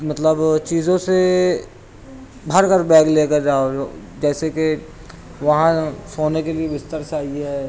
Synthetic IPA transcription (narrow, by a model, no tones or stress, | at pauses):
mɐt̪ləbt͡ʃiːzõse | bʱɐɾkəɾbɛːɡleːkəɾd͡ʒaːoo | d͡ʒɛːseke | ʋɐɦãsoːnekelieʋɪst̪əɾsaːiɦɛː